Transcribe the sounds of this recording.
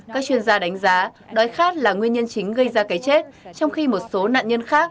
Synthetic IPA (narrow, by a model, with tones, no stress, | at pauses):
kaː˦˥k̚t͡ɕwi˧ənzaː˧ɗa˨˦jŋ̟zaː˨˦ | ɗɔ˨˦jxaː˦˥t̚laː˨˩ŋwi˧ənɲə˧nt͡ɕï˨˦ŋ̟ɣə˧jzaː˧kaː˨˦jt͡ɕe˦˥t̚t͡ɕɔ˧wŋ͡mxi˧mo˨˩t̚so˨˦na̰ː˧˨ɲə˧nxaː˦˥k̚